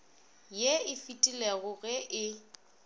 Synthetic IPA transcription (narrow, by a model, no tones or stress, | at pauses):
jeɪfitʼileɣʊɣɛʔɪ